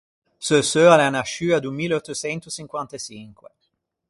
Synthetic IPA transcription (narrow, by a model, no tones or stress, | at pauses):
søsøalɛanaʃyːad̪ummileɔt̪ːot͡ʃɛnt̪ot͡ʃiŋkwant̪at͡ʃiŋkwe